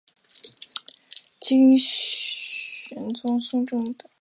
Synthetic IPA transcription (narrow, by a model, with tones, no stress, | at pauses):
t͡ɕʰi˥ŋ | ɕɛ˨˧˥nt͡sʊ˥ŋsʊ˥˧ŋʈ͡ʂʊ˥˩ŋd̪ə˩